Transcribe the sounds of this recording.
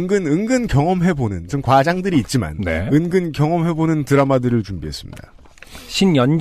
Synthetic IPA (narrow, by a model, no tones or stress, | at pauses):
ŋɡɯnɯŋɡɯnkjʌŋʌmɦe̞bonɯnt͡ɕonkwad͡ʑaŋdɯɾiːt̚t͡ɕ͈ima̰nnḛɯnɡɯnkjʌŋʌmɦe̞bonɯntɯɾamadɯɾɯɭt͡ɕumbiɦe̞s͈ɯ̥mɲḭd̥a̰ | ɕʰinjʌn